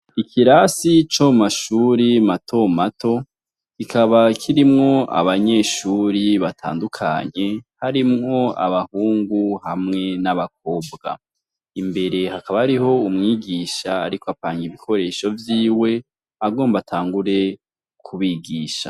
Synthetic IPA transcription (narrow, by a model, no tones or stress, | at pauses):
ikʰiɾasit͡ʃomaʃuːɾimatʰo̞matʰo̞ | kikʰaβakʰiɾimŋo̞a̰βaɲe̞ʃuːɾiβatʰa̰ːndukʰa̰ɲe̞haɾimŋo̞a̰βahuːŋɡuhamŋe̞naβak̚o̞ːbɡa̰ | imbe̞ɾe̞hakaβahaɾiɦo̞umŋiːɡiːʃaːɾikoapaːŋɡiβikʰo̞ɾe̞ːʃo̞vjiːwe̞ | aɡo̞ːmbatʰaːŋɡuɾe̞ | kʰuβiɡiːʃa̰